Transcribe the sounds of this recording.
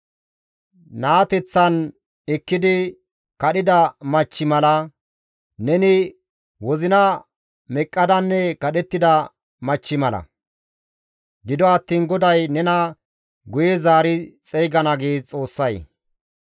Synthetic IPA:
naːt̪ɛt͡sːɐn | ɛkːɪd̪ɪ | kɐɗɪd̪ɐmɐt͡ʃːɪmɐlɐ | nɛnɪ | wɔzɪnɐ | mɛkʼːɐd̪ɐnːɛkɐɗɛt̪ːɪd̪ɐ | mɐt͡ʃːɪmɐlɐ̰ | d̪ɪd̪ɔɐt̪ːiːnɡɔd̪ɐjnɛnɐ | ɡʊjɛzaːɾɪt͡sʼɛjɡɐnɐɡeːt͡sʼo̞ːsːɐj

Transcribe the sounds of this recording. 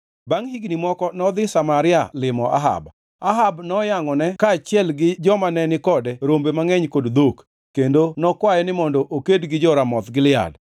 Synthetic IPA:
baŋhiɡnimɔkɔnɔd̪ɪsamaɾɪa̰lɪmɔʔa̰ɦa̰b | aɦabnɔjaŋɔnɛkaːt͡ʃɪɛlɡɪd͡ʒɔmanɛnɪkɔdɛɾombemaŋɛɲkodd̪ok | kːendonɔkwajɛnɪmɔndɔʔokedɡɪd͡ʒɔɾamɔt̪ɡɪlɪa̰d

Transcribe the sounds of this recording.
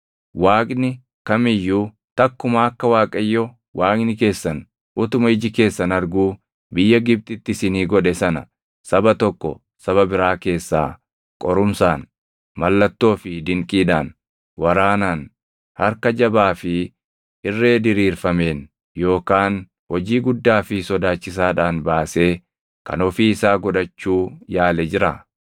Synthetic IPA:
waːkʼnɪ | kɐmɪjːuː | t̪ɐkːʊmaːɐkːɐwaːkʼɐjːɔ | waːkʼnɪke̞ːsːɐn | ʔʊt̪ʊmɐɪd͡ʒɪke̞ːsːɐnɐɾɡuː | bɪjːɐɡɪb̚t̪ʼɪt̪ːɪsɪniːɡɔᶑɛsɐnɐ̰ | sɐbɐt̪ɔkːɔ̰ | sɐβɐbɪɾaːke̞ːsːa̰ː | kʼɔɾʊmsaːn | mɐlːɐt̪ːo̞ːfɪd̪ɪŋkʼiːd̪aːn | wɐɾaːnaːn | hɐɾkɐd͡ʒɐbaːfɪ | ɪrːe̞ːd̪ɪɾiːɾfɐme̞ːn | jo̞ːkaːn | wɔd͡ʒiːɡʊd̪ːaːfɪsɔd̪aːt͡ʃːɪsaːᶑaːnbaːse̞ː | kɐ̰nɔfiːɪsaːɡɔᶑɐt͡ʃːuːjaːlɛd͡ʒɪɾa

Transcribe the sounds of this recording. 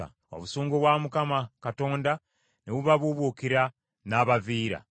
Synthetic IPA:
a̰ | o̰βusuːŋɡoβwamukamakato̞ːnda | neβuβaβuβukiɾa | naːβaviːɾa̰

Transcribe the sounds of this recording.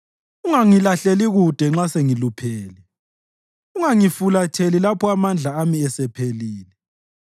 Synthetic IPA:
uŋaŋilaɬeliɣud̥ʱɛŋ͡ǁaseŋilupʰeːli | uŋaŋifulatʰelilapʰɔamand͡ɮʱaamiɛsɛpʰeliːlɛ

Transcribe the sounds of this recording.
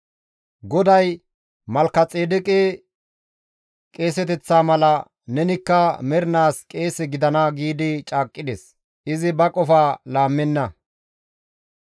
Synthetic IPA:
ɡɔd̪ɐj | mɐlkːɐt͡sʼeːd̪ɪkʼɛ | kʼe̞ːsɛt̪ɛt͡sːaːmɐlɐ | nɛnɪkːɐmɛɾɪnaːskʼe̞ːsɛɡɪd̪ɐnɐɡiːd̪ɪt͡ʃʼaːkʼːɪd̪ɛs | ɪzɪbɐkʼɔfaːlaːmːɛnːɐ

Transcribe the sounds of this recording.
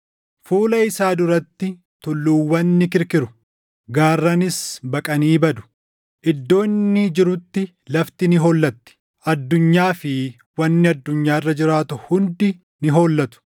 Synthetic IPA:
fuːlɐɪsaːd̪ʊɾɐt̪ːɪ | t̪ʊlːuːwːɐnːɪkɪɾkɪɾʊ | ɡaːrːɐnɪsbɐkʼɐniːbɐd̪ʊ̥ | ʔɪd̪ːo̞ːnːɪd͡ʒɪɾʊt̪ːɪ | lɐft̪ɪnɪɦoːlːɐt̪ːɪ̥ | ʔɐd̪ːʊɲːaːfɪ | wɐnːɪɐd̪ːʊɲːaːɪrːɐd͡ʒɪɾaːt̪ʊhʊnd̪ɪ | nɪɦo̞ːlːɐt̪ʊ̥

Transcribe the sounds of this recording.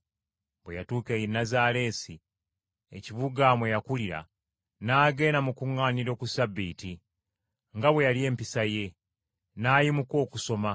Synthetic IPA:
bwejatuːkejinːazale̞ːsi | ḛciβuɡamwejakuliɾa̰ | naːɡe̞ːnamukuŋːaːniɾo̞kusabːiːti | ŋɡaβwe̞jalie̞ːmpisaje̞ | naːjimuko̞ːkuso̞ma

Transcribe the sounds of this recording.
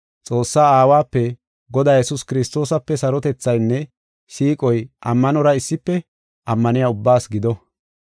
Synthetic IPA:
t͡sʼo̞ːsːaːaːwaːpːɛ | ɡɔd̪aːjɛsʊskɪɾɪst̪o̞ːsɐpːɛsɐɾɔt̪ɛt͡sːɐjnːɛ | siːkʼɔjʔɐmːɐnɔɾɐɪsːɪpːɛ | ʔɐmːɐnɪjaːʊbːaːsɡɪd̪ɔ

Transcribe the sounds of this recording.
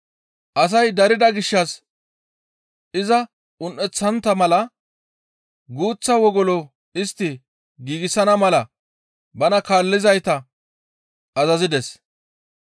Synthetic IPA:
ʔɐs̬ɐjd̪ɐɾɪd̪ɐɡɪʃːɐs | ɪzɐ | ʊnʔɛt͡sːɐnt̪ːɐmɐlɐ | ɡuːt͡sːɐwɔɡɔlɔ | ɪst̪ːɪ | ɡiːɡɪsɐnɐmɐlɐ | bɐnɐkaːlːɪzɐjt̪ɐ | ʔɐzɐzɪd̪ɛs

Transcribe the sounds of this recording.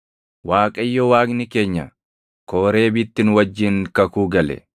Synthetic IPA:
waːkʼɐɪjːɔwaːɡnɪke̞ːɲːɐ | koːɾe̞ːbɪt̪ːɪnwɐd͡ʒːɪŋkɐkuːɡɐlɛ̰

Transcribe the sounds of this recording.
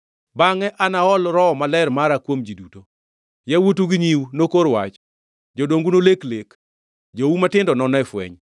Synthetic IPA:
baŋɛʔanaɔlɾɔɔmalɛrmaɾakwomd͡ʒiduto | jɛwutuɡiɲiwnokoɾwa̰t͡ʃ | d͡ʒodoŋɡunoleklek | d͡ʒowumatɪndɔnɔnɔɛfwɛ̰ɲ

